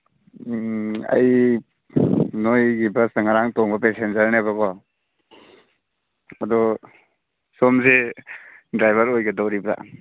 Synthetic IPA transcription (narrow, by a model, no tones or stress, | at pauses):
a̰j | nojɡibasnaŋaɾaŋtɔŋbɐpesenzaɾnabaɡɔ | adɔ | sɔmze | dɾajbaɾojɡadɔwɾiba̰